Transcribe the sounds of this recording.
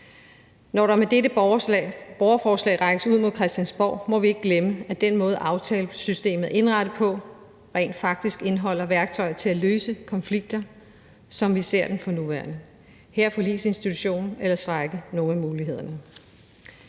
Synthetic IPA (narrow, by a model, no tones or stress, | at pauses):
nɒɾɑ̈med̥eɾə | b̥ɒʊɐfɒːslɛ̰ɪʁɑ̈ɪɡ̥əsuð̰ˠmo̝ðˠkʰʁɛsd̥jænsb̥ɒ̰ʊ̰mɒ̽ʋie̝ɡ̥ɡ̥leməæd̥enmɔ̽ːð̞̩ˠʔɑ̈ʊt͡sʰɛ̰ːlsysd̥e̝̰ːmð̞̩ˠe̝nʁɑ̈ɾ̥əpʰɒ̽ | ʁɛ̰ɪnd̥fɑ̈ɡ̥̚d̥isɡ̥e̝nɦɒ̽l̰ɐʋæɐɡ̥t͡sʰɒ̽ɪɐt͡sʰe̝læløːsəkʰɒ̽nfliɡ̥̚d̥ɐ | sɒ̽mʋise̝ɐ̰d̥enfɒ̽nuʋæɐnə | heɐ̰fɒ̽lḭːse̝nsd̥it͡sʰuɕo̝̰ːnn̩elɐsd̥ʁaɡ̥əno̝ːnæmuːliɦe̝ð̞̰ˠɐnə